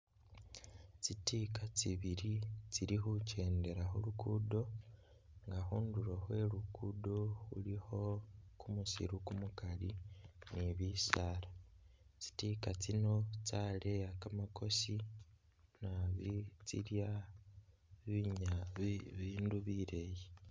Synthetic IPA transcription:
t͡sitikat͡siβiɾit͡siɾixuce̞ːnde̞ɾahulukuːdo̞ | ŋɡaxuːnduɾoxwe̞lukudo̞ṵliho̞kumusḭɾukumukaliniβisaːɾa | t͡si̥tikat͡sino̞t͡sale̞jakamako̞si | naβit͡siɾja | βiɲaβiːnduβiɾeje

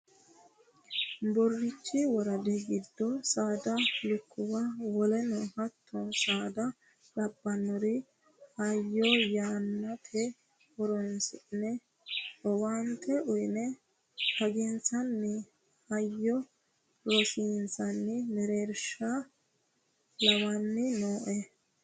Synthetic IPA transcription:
bɔrːɪt͡ʃːɪwɔɾɐd̪ɛɡɪd̪ːɔsaːd̪ɐlʊkʰːʊwɐwɔlɛnɔhɐt̪ʰːɔsaːd̪ɐ | ᶑɐbːɐnːɔɾɪ | hɐjːɔjaːnːɐt̪ʰɛ | wɔɾɔnsɪnɛ | ɔwant̪ʰɛʔʊjnɛ | hɐɡɪnt͡sɐnːɪ | hɐjːɔ | ɾɔsiːnsɐnːɪmɛɾeːɾʃa | lɐwɐnːɪnoːʔɛ

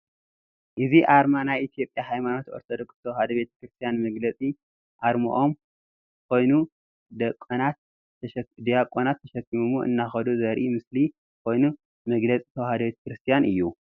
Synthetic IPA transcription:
ʔɨziʔaɾmanajit̪ʰijo̞pʼjaɦajmano̞t̪ʔo̞ɾt̪ʰod̪okst̪ʰɐwhad̪ɐbe̞t̪ʰɐ̥kɾɨst̪ʰijanmɐɡlɐt͡sʼi | ʔaɾmɐ̰ʔo̞m | kʰo̞jnu | d̪ɐkʼːɐnat̪̚ | d̪ijakʼonat̪ʰːɐʃɐkːimumuʔɨ̰nːaxɐd̪uzɐɾʔimɨsli | kʰo̞jnu | mɐɡlɐt͡sʼi̥t̪ʰɐwhad̪ɐbet̪ʰɐ̥kɾɨst̪ʰijanʔɨjːu

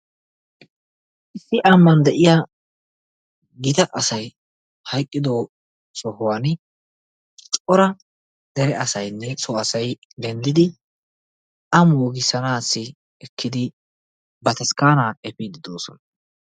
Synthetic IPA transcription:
ʔɪsːɪʔɐmːɐnd̪ɛʔɪja | ɡɪt̪ɐʔɐsɐj | hɐjkʼːɪd̪oː | sɔhʊwan | t͡ʃʼɔɾɐ | d̪ɛɾɛʔɐsɐjnːɛsɔɐsɐj | d̪ɛnd̪ɪd̪ɪ | ʔɐmoːɡɪsɐnaːsːɪ | ɛkʰːɪd̪ɪ | bɐt̪ɐskaːnaːɛpiːd̪ɪd̪o̞ːsɔ̰nɐ

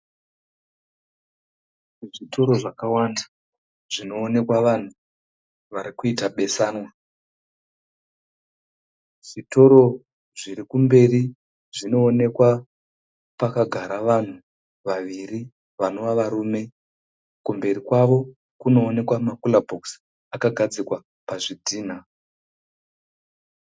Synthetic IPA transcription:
ʐitʰo̞ɾo̞ʐakawanda | ʐ̥ino̞ːne̞kwaʋan̤u | ʋaɾikuitaɓe̞saːnwa | ʐito̞ɾo̞ | ʐiɾikumbe̞ri | ʐino̞ːne̞kwa | pakaɡʱaɾaʋan̤u | ʋaʋiri | ʋano̞ʋaʋaɾuːme̞ | kumbe̞ɾikwaʋo̞ | kuno̞ːne̞kwamakulabʱoks | akaɡʱad͡zikwa | paʐidʱiːn̤a

